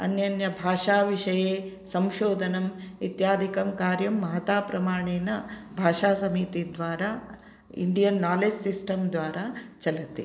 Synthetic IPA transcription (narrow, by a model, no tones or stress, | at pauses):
ɐ̰njɐnjɐbʱaːʂaːʋiʂɐjeː | sɐmʃoːd̪ʱɐnɐmit̪jaːd̪ʱikɐmkaːɾjɐmːɐɦɐt̪aːpɾɐmaːɳeːnɐbʱaːʂaːsɐmiːt̪id̪ʋaːɾa | ḭɳɖijɐnːaːleːd͡ʒsisʈɐmd̪ʋaːɾat͡ʃɐlɐt̪ːi